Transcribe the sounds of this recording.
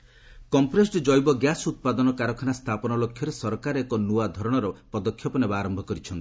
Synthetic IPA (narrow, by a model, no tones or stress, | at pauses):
kɔmpɾesʈɔd͡ʒɔjbɔɡjasut̪̚pad̪ɔnɔkaɾɔkʰɔnast̪ʰapɔnɔlokʰːjɔɾesɔɾɔkaɾekɔnuwad̪ʱɔɾɔɽ̃ɔɾɔpɔd̪ɔkʰːjɔpɔnebaːɾɔmbʱɔkɔɾit͡ʃʰɔnt̪i̥